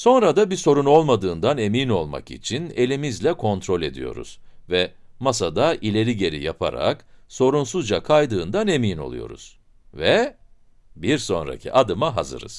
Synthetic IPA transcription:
so̞nɾad̪abiso̞ɾuno̞lˠmad̪ɯːnd̪ane̞mino̞lˠma̰kḭt͡ʃʰine̞lʲimizlʲɛkʰo̞nt̪ɾo̞lʲe̞d̪ḭjo̞̰ɾṵz̥vɛmasad̪aʔilʲe̞ɾiɟe̞ɾḭjapʰa̰ɾa̰kso̞ɾunsuzd͡ʒakʰajd̪ɯːnd̪ane̞mino̞̰lˠṵjo̞̰ɾṵz̥ | vɛ | biɾso̞̰nɾa̰cʰḭʔad̪ɯmaɦazɯ̰ɾɯ̰z̥

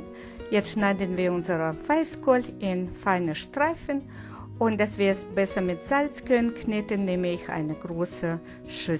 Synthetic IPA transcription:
jɛt͡stʃnaɪdənviːɐʊnzəʁəvaɪskɔlɪnfaɪnəʃtʁ̥aɪfən | ʔʊnt̚d̥asv̥iːɐɛsb̥ɛsɐmɪtz̥alt͡skœnənknɪtənːeːməɪçʔa̰ɪnəɡʁoːsə | ʃʏ

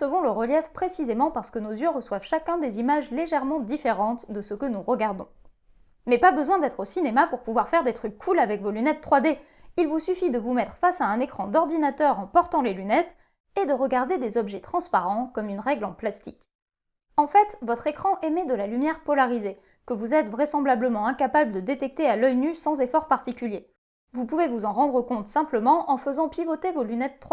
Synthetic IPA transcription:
səvɔ̃ləʁəljɛfpχesizemɑ̃paʁsə̥kənozjøʁəswavʃakʲɛ̃d̪ezimaʒleʒɛʁmɑ̃d̪ifeʁɑ̃t̪d̪əsəkənuʁəɡaʁd̪ɔ̰̃ | mɛpabəzwɛ̃d̪ɛt̪χosinemapuʁpuvwaʁfɛʁd̪et̪χykːʰulavɛkvolynɛt̪ːχwad̪e | ilvusyfid̪əvumɛt̪χəfasaɛ̃nekχɑ̃d̪ɔʁd̪inat̪œʁɑ̃pɔʁt̪ɑ̃lelynɛt̪ | ed̪əʁəɡaʁd̪ed̪ezɔbʒɛt̪χɑ̃spaʁɑ̃kɔmynʁɛɡlɑ̃plast̪ik | ɑ̃fɛt̪vɔt̪χekχɑ̃ʔemɛd̪əlalymjɛʁpɔlaʁize | kəvuzɛt̪vʁɛsɑ̃blabləmɑ̃ɛ̃kapabləd̪əd̪et̪ɛk̚t̪ealœjnysɑ̃zefɔʁpaʁt̪ikʲylje | vupuvevuzɑ̃ʁɑ̃d̪ʁəkɔ̃t̪sɛ̃pləmɑ̃ʔɑ̃fəzɑ̃pjivot̪evolynɛt̪ːχwa

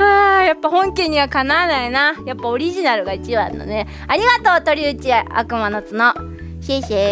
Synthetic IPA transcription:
aːjapːahõ̞ŋkʲẽɲ̟iβakanaːnainajapːao̞ɾʲiʑinaɾɯ̟ɡait͡ɕiβã̰nːo̰ne | aɾʲiɡat̪o̞ːt̪o̞ɾʲiɯ̟t͡ɕia̰kɯ̟manot͡sɨno | ɕeɕe

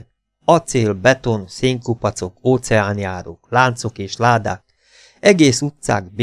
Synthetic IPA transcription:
ɒt̪seːlbɛt̪o̞nseːŋkupɒt̪so̞koːt̪sɛaːnjaːɾo̰klaːnt̪so̞keːʃlaːd̪a̰ːk̚ | ɛɡeːsut̪sa̰ːɡb

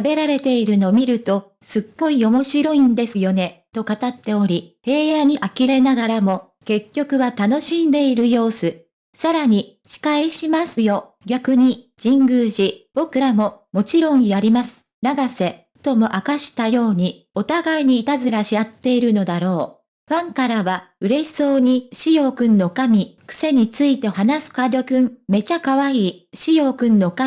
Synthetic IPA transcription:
abe̞ɾaɾe̞t̪e̞iɾɯ̟no̞mʲiɾɯ̟t̪o̞ | sɨɡːo̞io̞mo̞ɕiɾo̞ĩnd̪e̞sɨjo̞ne̞t̪o̞kat̪at̪ːe̞o̞ɾʲihe̞ːjaɲ̟iʔakʲiɾe̞naɡaɾamo̞ | ke̞kʲːo̞kɯ̟βat̪ano̞ɕĩnd̪e̞iɾɯ̟jo̞ːsɨ | saɾaɲ̟i | ɕi̥kaiɕimasɨjo̞ | ɡʲakɯ̟ɲ̟i | d͡ʑ̥ĩŋɡɯ̟ːʑib̥o̞kɯ̟ɾamo̞mo̞t͡ɕiɾõ̞ɰ̃jaɾʲimasɨ̥ | naɡase̞ | t̪o̞mo̞ʔakaɕi̥t̪ajo̞ːɲ̟i | o̞t̪aɡaiɲ̟iːt̪azɨɾaɕiat̪ːe̞iɾɯ̟no̞d̪aɾo̞ː | ɸãŋkaɾaβaɯ̟ɾe̞so̞ːɲ̟iɕijo̞kɯ̟̃nːo̞kamʲikɯ̥se̞ɲ̟it͡sɨit̪e̞hanasɨ̥kad̪o̞kɯ̟̃mme̞t͡ɕakaβaiːɕijo̞kɯ̟̃nːo̞ka

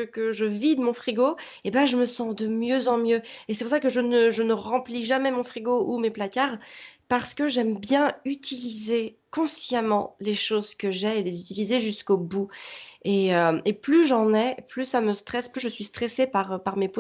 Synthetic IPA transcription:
əkəʒəvid̪mɔ̃fχiɡo | ebãʒəməsɑ̃d̪əmjøzɑ̃mjøes̬ɛpuʁsakəʒənəʒənəʁɑ̃pliʒamɛmɔ̃fχiɡoumeplakaʁpaʁsə̥kəʒɛmbjɛ̃yt̪ilizekɔ̃sjamɑ̰̃leʃozkəʒɛelezyt̪ilizeʒyskobueøeplyʒɑ̃nɛplysaməst̪χɛsplyʒəsɥist̪χesepaʁəpaʁmepo

